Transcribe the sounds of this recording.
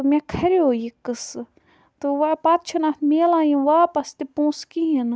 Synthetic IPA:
mʲɛ̃kʰɐɾeɦojikɨsɨ | t̪oʋapaːt̪̚t͡ʃʰunaːt̪meːlãːjĩʋaːpɐst̪epõːskiɦin

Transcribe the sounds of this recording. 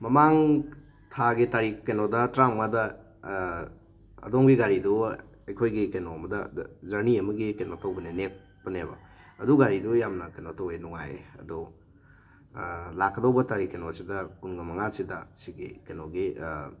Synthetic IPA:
mɐmaŋ | tʰaɡitaɾikenodɐtɾammadɐ | ɐ̰domɡiɡaɾidu | ɐjkʰojɡikenoɐmɐdɐzɐɾniɐmɐɡikenotʰowbɐnenep̚ːɐnebɐ̰ | ɐduɡaɾidujamnɐkenotʰowenuŋa̰jɐ̰du | lakʰːɐdowbɐtaɾikenosidɐkunɡɐmɐŋasidɐsiɡḭkenoɡi

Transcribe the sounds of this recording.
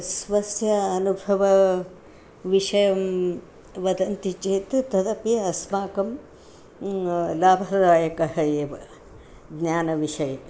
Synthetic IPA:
sʋɐsjɐːnubʱɐʋɐ | ʋiʂɐjɐm | ʋɐd̪ɐnt̪it͡ʃeːt̪t̪ɐd̪ɐpjɐɐsmaːkɐm | laːbʱɐɾɐd̪aːjɐkɐɦɐeːʋɐ | ɡnjaːnɐʋiʂɐjɐ

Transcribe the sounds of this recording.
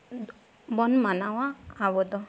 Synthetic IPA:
bɔnmanawaːβɔd̪ɔ

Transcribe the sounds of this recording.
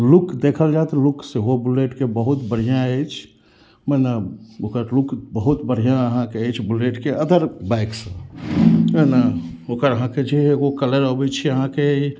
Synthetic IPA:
lʊkd̪ekʰəld͡ʒat̪lʊkseɦobuleːʈkebəɦʊt̪bəɽ̤ijãet͡ʃʰ | mɛnaokəɾlʊkbəɦut̪bəɽ̤ijãəɦãkeet͡ʃʰbuleːʈkeəd̪ʱəɾbaɪksə | menaoːkəɾəɦãked͡ʒeɦeɡokələɾəbit͡ʃʰiəɦãkei

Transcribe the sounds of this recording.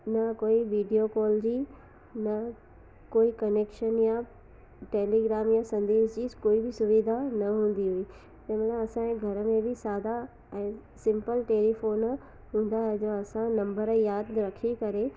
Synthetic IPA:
nɐkoːiʋiːɖijokɔːlɾi | nɐ | koːikɐneːkʃənja | ʈeːliɡɾaːmjasɐ̃nd̪eːzd͡ʑiːkoːibɪsʊʋid̪ʱanɐɦũːn̆d̪iɦui | t̪ɛ̃mɐt̪lɐbɐsãẽɡʱɐɾəmẽbʱɪsaːd̪a | ɛ̃ː | sɪ̃mpəlʈeːlifoːn | ɦũːn̆d̪aɦɛd͡ʑoːɐsãnɐ̃mbəɾjaːd̪ɾɐkʰikɐɾe

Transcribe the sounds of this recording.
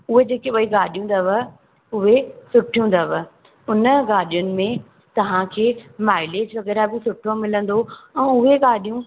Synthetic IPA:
ʊɦed͡ʑeːkeɓɐiɡaːɗijũn̆d̪ɐʋə | ʊɦesʊʈʰijũn̆d̪ɐʋə | ʊnəɡaːɗijʊnɪ̆mẽ | t̪ɐʋ̤ãkʰeːmaːɪleːd͡ʑʋɐɣɛːɾabɪsʊʈʰomɪlə̃nd̪oɛ̃ːʊɦeɡaːɗijũ

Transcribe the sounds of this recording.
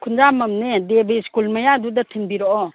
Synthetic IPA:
kʰunzamɐmnedebiskulmajadudatʰinbiɾɔʔɔ

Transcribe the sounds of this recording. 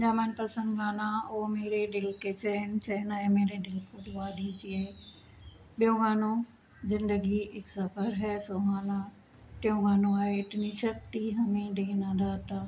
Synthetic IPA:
d͡ʑaːmənpɐsə̃nd̪ɡaːnãoːmeːɾeɖɪlket͡ɕɐnt͡ɕɐɪnɛ̃ːmeːɾeɖɪlkʰoɗʊʋaːɗid͡ʑie | ɓijõɡaːno | zɪ̃nd̪əɡiɪksɐfəɾɦɛːsoɦaːnã | ʈɪjõɡaːnoaːeɪʈɪniʃɐk̚t̪iɦɐmẽɖenãd̪at̪a

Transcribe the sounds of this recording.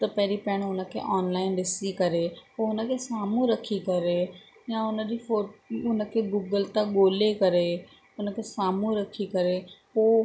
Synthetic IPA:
t̪ɐpɛɦɾipɛːɽ̃ʊnəkʰḛʔɔːnlaːɪndɪsikɐɾeɦoʊnəkʰesaːmũɾɐkʰikɐɾe | jãʊnəd͡ʑifoːʊnəkʰeɡuːɡəlt̪aɠoːlekɐɾe | ʊnəkʰesaːmũɾəkʰikɐɾepoː

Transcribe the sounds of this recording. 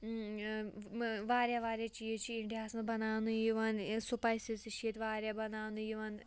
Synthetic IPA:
ʋaːɾʲjaʋaːɾʲjaːt͡ʃijɐt͡ʃʰiiɳʈijaːsnɐbɐnaːnujiʋaːnsupajsisiʃiet̪ʋaːɾʲjaːbɐnaːnujiʋaːn

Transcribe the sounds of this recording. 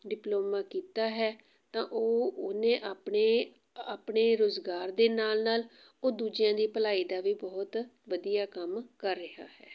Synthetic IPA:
ɖɪploːmaːkiːt̪aːɦɛː | t̪ãːʔoːonẽːʔaːpɳeː | aːpɳeːɾoːzɡaːɾd̪eːnaːlnaːl | oːd̪uːd͡ʒɪjãːd̪iːpəlaːiːd̪aːʋiːbɔːt̪ʋəd̪ijaːkəmkəɾːɪɦa̰ːhɛː

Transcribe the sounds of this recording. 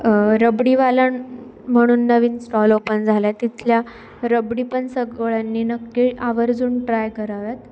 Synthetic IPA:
ɾəbɽiʋalaɳ | m̤əɽ̃uːnːəʋiːnsʈɔlopənd͡zʱaljat̪it̪lja | ɾəbɽipəɳsəɡɭanːiːnəkːiaʋəɾd͡zuːnʈɾajkəɾaʋat̪

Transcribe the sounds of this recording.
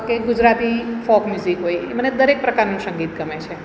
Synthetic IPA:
keɡud͡ʒɾat̪ifɔkmjuzikɦojḛməned̪əɾek̚pɾəkaɾnũsə̃ŋɡit̪̚ɡəmet͡ʃʰe

